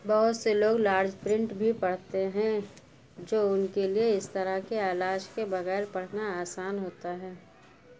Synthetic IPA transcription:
bɐɦʊt̪seloːɡlaːɾd͡ʒpɾɪ̃ɳʈbʱipɐɽ̤t̪eɦɛ̃ | d͡ʒoːʊnkelieɪst̪əɾəkeaːlaːd͡ʒkebɐɣɛːɾpɐɽ̤naaːsaːnɦoːt̪aɦɛː

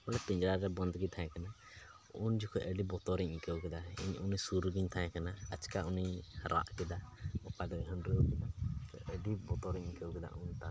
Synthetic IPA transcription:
bɔlɛpĩɲd͡ʒɾaɾɛbə̃nd̪ɡit̪ʰãɛ̃kana | und͡ʒukʰɔʔəɖibɔt̪ɔɾɛɲkɛwkɛd̪aḭɲunisuɾɡiɲt̪ʰãɛ̃kanaət͡ʃkauniɾa̰ʔkɛd̪aɔkad̪ɔɦəɳɾɛukɛd̪at̪ɔʔəɖibɔt̪ɔɾɛɲkɛukɛd̪a̰ʔunt̪a

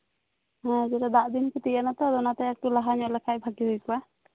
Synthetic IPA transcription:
ɦãd͡ʒɛɾad̪aʔd̪inkut̪ianat̪ɔd̪ɔnat̪ɛɛk̚ʈulaɦaɲɔʔlɛkʰajbʱaɡiɦujkua

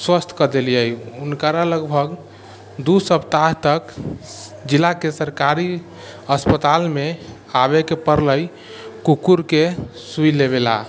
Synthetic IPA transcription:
swəst̪ʰkəd̪elijəjunkəɾaləɡbʱəɡ | d̪usəpt̪aɦt̪ək | d͡ʒilakesəɾkaɾi | əspət̪alme | aβekepəɾləj | kukuɾkesujleβela̰

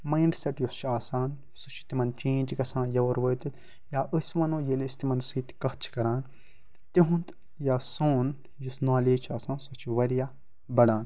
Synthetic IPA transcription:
majɳɖseʈjost͡ʃʰaːsaːn | sut͡ʃʰi̥t̪imɐnt͡ʃẽːnd͡ʒɡɐsãːjɐʋɐɾʋɐːt̪ɨt̪ | jaːʔɨsmɐnõːjelːst̪imɐnsiːt̪kɐht͡ʃʰi̥kɐɾaːn | t̪iɦũnt̪ | jaːsoːn | jisnaːleːd͡ʒt͡ʃʰaːsãːnsut͡ʃʰiʋɐɾijaː | bɐɽaːn

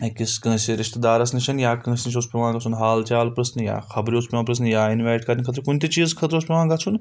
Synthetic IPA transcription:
kiskə̃ːseɾɪʃt̪d̪aːɾɐsniʃʰɐnjaːkə̃ːsniʃ̬ʰoːspʲiʋãːɡɐt͡sʰunɦaːlt͡ʃaːlpɾɐsnɨja̰ːxɐbɾioːspʲiʋãːpɾɐs̬njaːinʋaːʈkɐɾʲnʲikʰɐt̪̬ʰɾkunʲt̪it͡ʃiːzkʰɐt̪ɾoːspʲiʋãːɡɐt͡sʰun

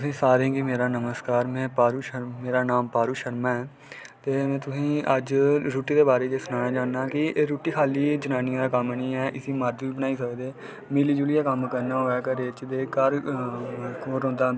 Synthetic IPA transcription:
t̪ʊsĩːsaːɾẽːɡiːmeːɾaːnəməskaːɾmɛ̃ːpaːɾuːʃəmeːɾaːnaːmpaːɾuːʃəɾmãːɛː | t̪eːmɛ̃ːt̪ʊsĩːəd͡ʒɾuːʈiːd̪eːbaːɾeːd͡ʒeːsʊnaːnaːd͡ʒãːnːaːkɪeːɾuːʈiːkʰaːliːd͡ʒənãːniãːd̪aːkəmniːɛːʔɪsĩːmaːɾd͡ʒʋiːbənaːiːsəkd̪eː | meːliːd͡ʒuːlɪjaːkəmkəɾnaːɦoːɛːkəɾeːt͡ʃd̪eːkəɾ | koːɾɦõːnd̪aː

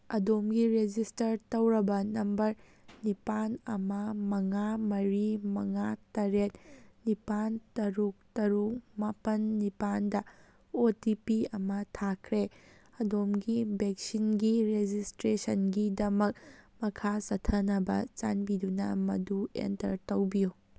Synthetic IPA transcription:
ɐdomɡiɾed͡ʒistɐɾtɐwɾɐbɐnɐmbɐɾ | nipanɐmɐmɐŋamɐɾimɐŋatɐɾet̚nipantɐɾuk̚tɐɾumapɐnːipandɐ | otipiɐmɐtʰakʰɾeɐdomɡibek̚sinɡiɾed͡ʒistɾesɐnɡidɐmɐk̚mɐkʰasɐtʰɐnɐbɐ̰t͡ʃa̰nbidunɐ̰mɐ̰duḛntɐ̰ɾtɐwbiju

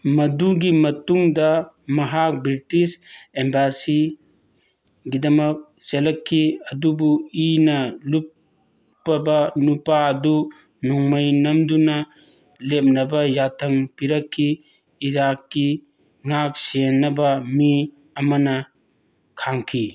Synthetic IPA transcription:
mɐduɡimɐtuŋdɐ | mɐɦak̚bɾitisembasi | ɡidɐmɐk̚ | selɐkʰːiɐdubuinɐlupː | ɐbɐnupaɐdu | nɔŋmɐjnɐmdunɐ | lep̚nɐbɐjatʰɐŋpiɾɐkʰːiː | ɾakːi | ŋak̚senːɐbɐmi | ɐmɐnɐ | kʰaŋkʰi

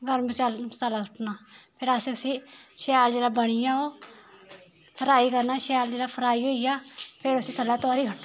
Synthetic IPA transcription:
ɡəɾbət͡ʃalt͡ʃaːlaːsʰʊʈʰnaːpʰɪɾəseʊsĩːʃɛːld͡ʒeːlaːbəɽ̃ijãːoː | pʰəɾaːiːkəɾnaːʃɛːld͡ʒeːlaːpʰəɾaːiːɦoːijaːpʰɪɾʊsĩːt̪ʰəlaːt̪ʊaːɾiːɦ

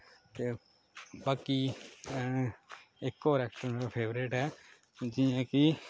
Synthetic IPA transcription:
t̪eː | baːkiː | ɪkːoːɾɛːk̚ʈəɾmːɾapʰeːʋɾeːʈɦɛː | d͡ʒɪjãːkɪ

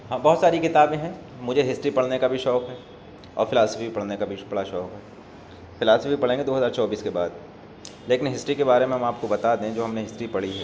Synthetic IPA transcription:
ɦɐbɔɦʊt̪saːɾikɪt̪aːbẽɦɛ̃ | mʊd͡ʒʱeɦɪsʈɾipɐɽnekabʱiʃɔːkɦɛː | ɔ̰ːɾfɪlaːsəfipɐɽ̤nekabʱibɐɭaʃɔːkɦɛː | fɪlaːsəfipɐɽ̤ẽːŋɡed̪oːɦɐəzaːɾt͡ʃɔːbiːskebaːd̪ | leːkɪnɦɪsʈɾikebaːɾemẽɦɐmaːp̚kobɐt̪ad̪ẽd͡ʒoːɦɐmneɦɪsʈɾipɐɽ̤iɦɛː

